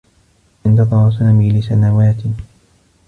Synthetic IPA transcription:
ʔɪnt̪ɑðˤɑɾˤɑsanamiːlɪsanawaːt̪ɪ

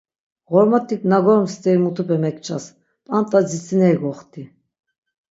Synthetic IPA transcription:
ʁɔɾmat̪ʰikʼnaɡɔɾmst̪ʰʼɛimut̪ʰupʰɛmɛkʰʼt͡ʃʰʼas | pʼant̪ʼad͡zit͡sʰʼinɛiɡɔχt̪ʰʼi

